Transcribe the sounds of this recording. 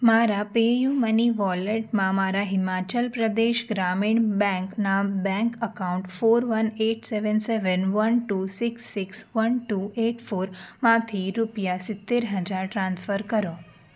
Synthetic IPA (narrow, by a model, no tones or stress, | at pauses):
maɾapejuməniʋɔleʈmãmaɾaɦɪmat͡ʃəlpɾəd̪eʃɡɾamiɳbɛ̃ŋknabɛ̃ŋkəkauɳʈfoɾʋəneʈseʋənseʋənʋənʈusɪksːɪksʋənʈueʈfoɾmãt̪ʰiɾupjasɪt̪ːeɾɦəd͡ʒaɾʈɾãnsfəɾkəɾo